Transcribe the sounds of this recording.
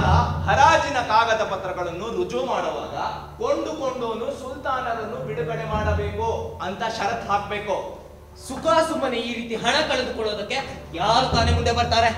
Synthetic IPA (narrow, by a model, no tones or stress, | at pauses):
ɐhɐɾaːd͡ʒinɐkaːɡɐd̪ɐpɐt̪ɾɐɡɐɭɐnːuɾud͡ʒomaːɽɐʋa̰ːɡɐ | ko̞ɳɖuko̞ɳɖoːnusult̪aːnɐdɐnːubiɽɐbɛɽemaːɽɐbeːkuɐnt̪ɐʃɐɾɐt̪ɦaːkɐbe̞ːko | sukaːsumːɐneiːɾiːt̪iɦɐɳɐkɐɭɐd̪ukɔɭːo̞ːd̪ɐkːe̞jaːɾut̪aːnemund̪e̞bɐɾt̪aːɾe